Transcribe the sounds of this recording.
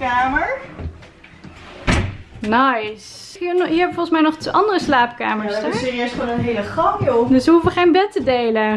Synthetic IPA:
kaːməɹ | najs | inɦiːɹɦɛbəfɔʁχənsmɛjnɔχteʔɑndərəslaːp̚ka̰ːməɹsɛssɪːriøsχoːnənɦejləχɑpjodəsʋəɦufəχejnbɛtədejlə

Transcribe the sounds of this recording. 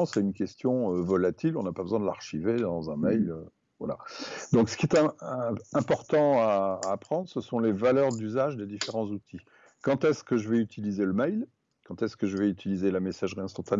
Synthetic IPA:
sɛynkʲɛst̪jɔ̃øvɔlat̪ʰilɔ̰̃napabəzwɛ̃d̪əla̰ʁʃived̪ɑ̃zɛ̃mɛjlø | vwa̰la̰d̪ɔ̃ksə̥kʲiɛt̪ɛ̃ | ɛ̃pɔʁt̪ɑ̃aːpχɑ̃d̪ʁəsəsɔ̃levalœʁd̪yzaʒd̪ed̪ifeʁɑ̃zut̪ʰi | kɑ̃t̪ɛskəʒəvɛyt̪ʰilizeləmɛjl | kɑ̃t̪ɛskəʒəvɛyt̪ʰilizelamesaʒʁiɛ̃st̪ɑ̃t̪an

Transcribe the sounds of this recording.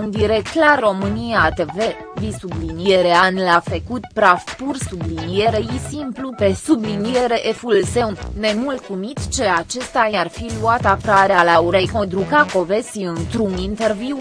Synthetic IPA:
und̪iɾekt̪larːo̞mɨnijat̪eve̞ | visublinije̞ɾeanlafəkut̪pɾafpursublinije̞ɾejisimplupe̞sublinije̞ɾe̞ʔefulse̞wnne̞mult̪sumit̪t͡ʃe̞at͡ʃe̞st̪ajarfiluat̪akaɾealauɾejkod̪ɾukako̞ve̞siɨnt̪ɾunint̪e̞rviw

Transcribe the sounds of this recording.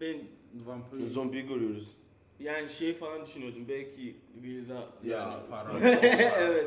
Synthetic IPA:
bɛnvampzonbiɡøɾɯjoɾuz̥ | jaːniʃejifalˠand̪yʃynjod̪umbɛlʲcʰiviɾd̪ajaːniaɾ | ɛvɛt̪

